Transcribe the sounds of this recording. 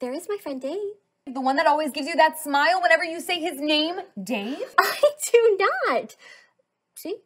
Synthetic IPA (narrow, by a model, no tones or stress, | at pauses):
ðə˞ɨzmaɪfɹɛ̃ndeɪ | ðəwʌ̃nðɨɾɔlˠwizɡɪvzjɨðətsmaɪlˠwə̃ñɛvə˞jɨseɪɪznẽɪ̃mdeɪv̥aɪdunət | ʃi